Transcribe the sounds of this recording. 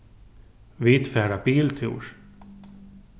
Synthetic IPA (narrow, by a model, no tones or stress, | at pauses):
viːt̪fæːɖabiːlt̪ʰṵːɾ